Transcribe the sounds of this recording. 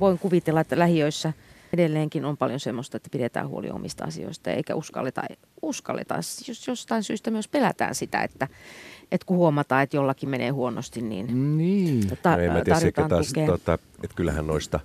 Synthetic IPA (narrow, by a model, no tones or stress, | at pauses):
ʋoiŋkuʋit̪elːɑet̪ːælæhiøisːæ | edelːeːŋkinompɑljonsemːost̪ɑet̪ːæpiɾet̪æ̰ːhuo̰lḭo̰mist̪ɑ̰ɑ̰sḭo̰ist̪ɑjɑḛikæ̰uskɑ̰lːet̪ɑ̰ | uskɑlːḛt̪ɑ̰sjosjost̪ɑinsyːst̪æmyøspelæt̪æ̰ːnsit̪æ̰ḛt̪ːæʔet̪kuhuomɑt̪ɑːet̪jolːɑkimenḛːhuono̰st̪innḭːnniːt̪ɑemmæt̪ːɑrjotk̪ɑːnt̪ɑuk̪eːot̪ːɑ | et̪kylːæ̰hæ̰nnoist̪ɑ